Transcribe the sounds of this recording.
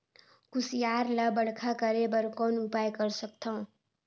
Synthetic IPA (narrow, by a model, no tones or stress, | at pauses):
kusijaɾlʌbəɽkʰakʌɾebʌɾkonupajkʌɾsʌk̚t̪ʰʌ̃w̃